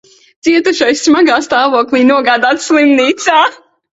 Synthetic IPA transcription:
t̪siɛt̪uʃajsːmaɡaːst̪aːvuɔklˠiːnuɔɡaːd̪aːt̪slˠimniːt̪saː

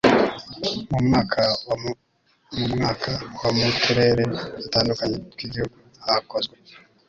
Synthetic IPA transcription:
mumŋaːkʰaw | mumŋaːkʰawamutuɾe̞ːɾe̞ataːndukaɲekiɡihuɡu | ahako̞zɡwe

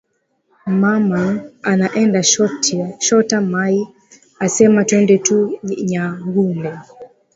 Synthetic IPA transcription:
mamaanaʔɛndaʃɔtʃɔtamai | asɛmatwɛndɛtuɲaɡunɛ

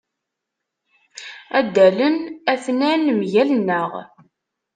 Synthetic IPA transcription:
æd̪ːælənæθnænmʝælnːəʁ

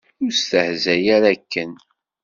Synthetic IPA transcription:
ʊɾst̪əhzæjaɾækːən

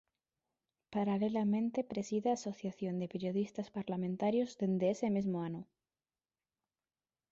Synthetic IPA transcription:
paɾalelamẽnt̪e̞pɾe̞siðeaso̞θjaθjond̪epeɾjoðist̪aspaɾlamẽnt̪aɾjozðend̪eesemezmoanu

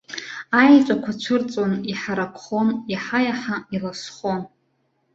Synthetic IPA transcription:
ajt͡ʃʷʼakʷʰat͡ʃʷʰɨrt͡sʼoniħaɾakʷʰχo̞maħajaħailasχon

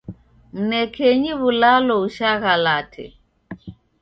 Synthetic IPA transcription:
m̩nɛkʰɛɲiβulalɔuʃaɣalatʰɛ̰

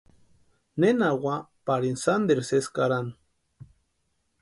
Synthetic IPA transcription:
nenawapaɾinsand̪eɾseskaɾan

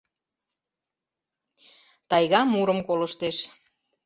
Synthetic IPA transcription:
t̪ɑjɣɑmuɾəmkoləʃt̪eʃ

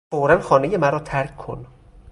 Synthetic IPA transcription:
foːɾænxɒːnejemæɾɒːt̪ʰæɾkʰkʰo̰n

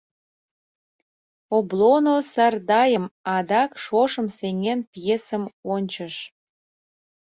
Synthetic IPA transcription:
oblonosɑrd̪ɑjəmɑd̪ɑkʃoʃəmseŋenpjesə̆monʲt͡ɕəʃ

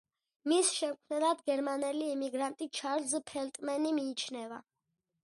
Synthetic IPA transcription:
misʃɛmkʰmnɛlad̪ɡɛɾmanɛliːmiɡɾant̪ʼit͡ʃʰaɾlzpʰɛlt̪ʼmɛnimiːt͡ʃʰnɛva̰

